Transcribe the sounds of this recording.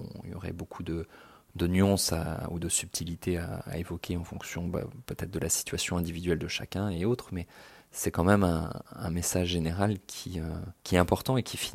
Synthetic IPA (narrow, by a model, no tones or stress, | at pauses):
jɔ̰ʁɛ̰bokʰud̪əd̪ənɥɑ̃sa̰ud̪əsyp̚t̪ʰilit̪ʰea̰ːevɔkʲʰeɑ̃fɔ̃ksjɔ̃ba̰pøt̪ɛt̪χd̪əlasi̥t̪ɥasjɔ̃ɛ̃d̪ivid̪ɥɛld̪əʃakʲɛ̃eot̪χmɛsɛkɑ̃mɛmɛ̃ɛ̃mesaʒːeneʁalkʲʰiøkʲiɛɛ̃pɔʁt̪ɑ̃ekʲifi